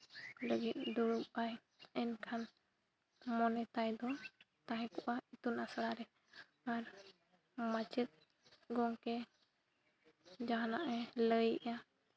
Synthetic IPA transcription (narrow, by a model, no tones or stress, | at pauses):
ləɡit̪̚ˀd̪uɽupaj | ɛnkʰan | mɔnɛt̪ajd̪ɔ | t̪aɦɛ̃kɔʔait̪unasɽaɾɛ | aɾ | mat͡ʃət̪̚ | ɡɔŋkɛ | d͡ʒaɦanaʔɛləjɛʔja